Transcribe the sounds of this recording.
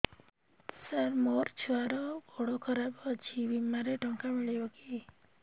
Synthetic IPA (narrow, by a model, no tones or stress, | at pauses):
səɾmoɾt͡ʃʰuaɾɔɔɽɔkʰɔɾabɔt͡ʃʰibimaɾeʈɔŋkamiɭibɔki